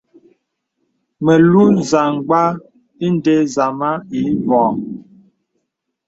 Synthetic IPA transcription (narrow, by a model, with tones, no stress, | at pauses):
mə˨lu˦n˨za˨ŋ˨ɡ͡ba˦ | i˦n˦de˦za˨ma˦i˨˦vɔ˨